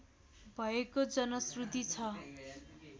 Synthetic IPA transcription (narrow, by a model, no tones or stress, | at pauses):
bʱʌekod͡zʌnʌsrut̪it͡sʰʌ